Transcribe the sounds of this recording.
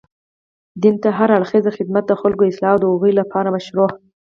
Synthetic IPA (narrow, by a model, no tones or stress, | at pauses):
d̪int̪aɦaɾaɽxezaxɪd̪mat̪̚d̪əxalkoɪslɑwd̪əoɣəjlapʰɑɾamaʃɾoh